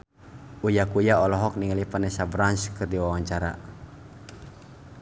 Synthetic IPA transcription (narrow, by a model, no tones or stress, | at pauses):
ujakujaɔlɔɦɔk̚niŋalipanɛsabɾanskɨrdiwawaɲt͡ʃaɾa̰